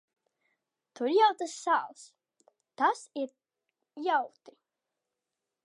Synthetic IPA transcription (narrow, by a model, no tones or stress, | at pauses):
t̪uɾjawt̪asːaːlˠs | t̪asiɾ | jawt̪i̥